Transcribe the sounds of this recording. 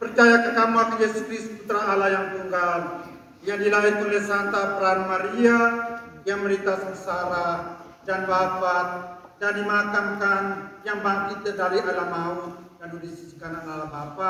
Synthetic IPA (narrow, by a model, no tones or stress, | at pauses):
pərt͡ʃajakəkamuakijesuskɾisput̪ɾaːlajaŋt̪uŋɡal | jaŋdilaɦirt̪ulɛsant̪apɾanmaɾia | jaŋməɾit̪asəməsaɾa | danbapat̪̚ | dandimakaŋkanjaŋbaŋkit̪̚ːədaɾiʔalamaut̪̚danudisisə̥kananalabapa